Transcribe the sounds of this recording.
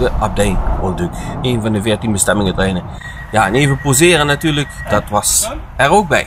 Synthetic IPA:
dəʔɑb̚dɛjnolˠdøkeːnvɑndəvɪːɹtinbəstɛmɪŋətrɛjnə | jaəneːvəpozɪːɾənatyːɹləkd̥ɑtʋɑs | ɛroːk̚bɛj

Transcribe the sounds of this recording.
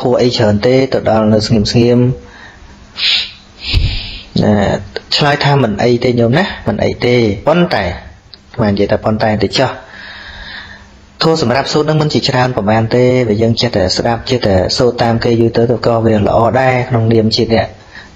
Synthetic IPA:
t̪ʰuəʔəjt͡ɕʰəːnt̪eːt̪ɨwɗɑlnɨwsŋiəmsŋiəm | ət͡ɕʰlaəjt̪ʰaːmɨnʔəjt̪eːɲoəmnahmɨnʔə̰jt̪eːpont̪aɛ | kʰmaːnijəjt̪apont̪aɛt̪et͡ɕɑh | t̪ʰuəsɑmrap̚suːt̪̚nɨŋmɨnt͡ɕiət͡ɕraənpɔmaːnt̪eːʋiəjəːŋt͡ɕəht̪aɛsɗap̚t͡ɕəht̪aɛsoːt̪ːaːmkeːjut̪ɨːt̪okɑːʋiələ̰̆ʔɑːɗaɛkʰnoŋniəmt͡ɕiənɛ̆əʔ

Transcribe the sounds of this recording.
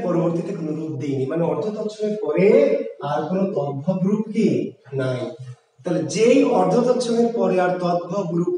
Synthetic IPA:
pɔɾoboɾt̪it̪ekonoɾupd̪ejnimaneɔɾd̪ʱɔt̪ɔtːʃʰɔneɾpɔɾeaɾkonot̪ɔd̪̚bʱɔɡɾupki | nai | t̪aled͡ʒejɔɾd̪ʱɔt̪ɔtːʃʰɔneɾpɔɾeaɾt̪ɔb̪bʱɔɡɾup

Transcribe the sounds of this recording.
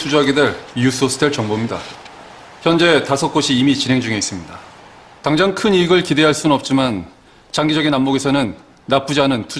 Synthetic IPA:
tʰud͡ʑuɦaɡedeɭus͈ʰosʰɯ̥tʰeɭt͡ɕʌŋbomɲida̰ | çjʌnd͡ʑe̞tasʰʌk͈oɕʰiːmit͡ɕinɦe̞ŋd͡ʑuŋe̞is͈ɯmɲida | taŋd͡ʑaŋkʰɯniɡɯɭkide̞ɦaɭs͈unɯnʌp̚t͡ɕ͈iman | t͡ɕaŋɡid͡ʑʌɡinːamːoɡesʰʌnɯnː | ap͈ud͡ʑianɯntʰu

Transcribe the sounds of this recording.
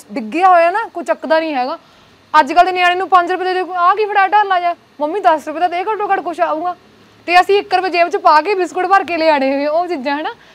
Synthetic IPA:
ɖɪɡɪjaːɦoːjaːnaːkoːt͡ʃəkːd̪aːnĩːɦɛːɡaː | əd͡ʒkəlenɪjãːɽiːnũːpə̃ɲd͡ʒɾʊp̬ɛːd̪aːd̪eãːkiːpʰəɽaːʈəɾlaːd͡ʒaː | məmːĩːd̪əsɾʊpɛːd̪aːt̪eːkəõːkəɽkʊʃaːũːɡaː | t̪eːəsĩːɪkːəɾbəd͡ʒeːʋɪt͡ʃpaːk̬eːbɪskʊɽpəɾkeːleːaːɽeːɦɛːɡẽːoːt͡ʃɪd͡ʒãːɦɛːnaː

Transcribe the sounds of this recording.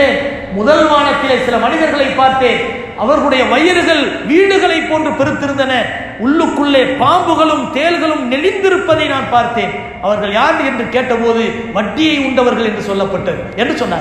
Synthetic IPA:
eː | mʊðɐlʋaːɳɐt̪ːɪlesɪlɐmɐnɪðɐɾɣɐɭɐɪpːaːɾt̪eːn | ʔɐʋɐɾɣɐɭɯɽɐjɐʋɐjɐɾɯɣɐɭʋiːɽɯɣɐɭɐɪpːoːndrɯpɛɾɯt̪ːɪɾɯnd̪ɐnɐ | ʊɭːɯkːɯɭːeːpaːmbɯɣɐɭɯmt̪eːlɣɐɭɯmnɛlɪnd̪ɪɾɯpːɐðɐɪnaːnpaːɾt̪eːn | ʔɐʋɐɾɣɐɭjaːɾɳɖɯɛndrɯkeːʈːɐpoːðɯ | ʋɐʈːɪjɐɪʊɳɖɐʋɐɾɣɐɭɛndrɯsɔlːɐpːɐʈːɐɯɛndrɯsɔnːa̰ː

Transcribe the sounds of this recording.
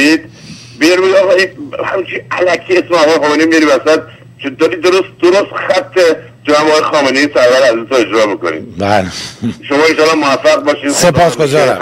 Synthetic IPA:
id̪ | bejɾbeɡɒɣɒihæ̰mt͡ʃʰiælækʰiesmeɒːɣɒːjexɒːmeneiːmiɾbæsæd̪̚ | t͡ʃʰed̪ɒːɾiːd̪oɾost̪̚d̪oɾost̪xæt̪ʰːe | kemæmɒːɣɒjexɒːmenejisæɾvæɾæzut̪ʰoe̞d͡ʒɾɒːmiːkonḭːbæleʃomɒːenʃɒːlːɒmoæfːæɣbɒːʃiːsepʰɒːsɡozɒːɾæ̰m

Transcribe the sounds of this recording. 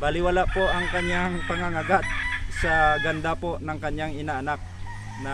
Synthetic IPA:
balɪwalaʔpoʔɐŋkɐɲaŋpɐŋaŋaɡad̪̚sɐɡɐnd̪apo̞nɐŋkɐɲjaŋɪnaʔːnak̚ | nɐ

